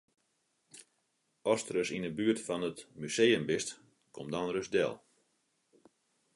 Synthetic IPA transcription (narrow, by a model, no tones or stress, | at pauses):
ɔstrəsinəbyətfɔnətmysejəmbɪst | kʰomdɔnrøsdɛ̰lˠ